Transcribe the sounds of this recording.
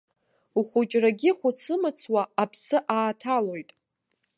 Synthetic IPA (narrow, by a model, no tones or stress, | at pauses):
uχʷʊt͡ʃʼraɡʲiχʷʊt͡sʰɨmɨt͡sʰwaapʰsɨʔaːtʰalo̞jtʼ